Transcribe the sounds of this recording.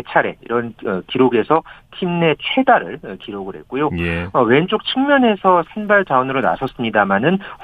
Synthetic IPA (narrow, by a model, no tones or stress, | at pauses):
et͡ɕʰaɾe̞̰ḭɾʌnʌkiɾoɡe̞sʰʌtʰimne̞t͡ɕʰe̞daɾɯɭkiɾoɡɯɾɦe̞t̚k͈ojoʌwe̞nt͡ɕ͈ok̚t͡ɕʰɯŋmjʌne̞sʰʌsʰenbaɭt͡ɕaʌnɯɾona̰sʰʌs͈ɯmɲidamanɯn